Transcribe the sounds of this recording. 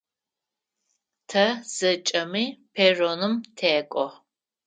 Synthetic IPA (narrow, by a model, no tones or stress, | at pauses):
tʰɐz̥ɨt͡ʃʼɐmiːpʰeːroːnɨmtʰeːkʷʼɔ